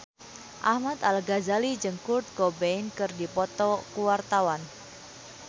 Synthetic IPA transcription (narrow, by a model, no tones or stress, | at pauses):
ʔahmat̪alɡazalid͡ʒəŋkurt̪̚kɔbɛinkɨrdipɔt̪ɔkuwart̪awan